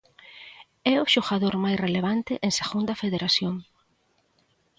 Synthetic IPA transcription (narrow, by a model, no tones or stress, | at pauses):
ɛʊʃoɣaðoɾmajsreleβ̞ant̪ɪʔeŋseɣund̪ɐfeðeɾasjoŋ